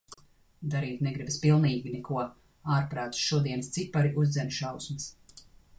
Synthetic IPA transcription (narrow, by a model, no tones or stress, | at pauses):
d̪aɾiːt̪neɡɾibaspilˠniːɡinɛkuɔ | aːɾpɾaːt̪ʃuɔd̪iɛnst̪sipaɾiʔuzd̪zʲɛnʃawsmɐs